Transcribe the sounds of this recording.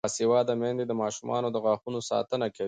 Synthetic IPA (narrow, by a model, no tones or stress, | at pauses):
sewɑd̪amand̪ed̪əmɑʃumʔɑ̰nod̪əɣɑxunosɑ̰t̪ənakawi